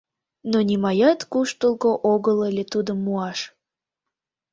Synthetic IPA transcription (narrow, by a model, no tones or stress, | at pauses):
nonʲimɑjɑt̪kuʃt̪əlˠkoʔoɣəlelʲet̪ud̪əmːuɑʃ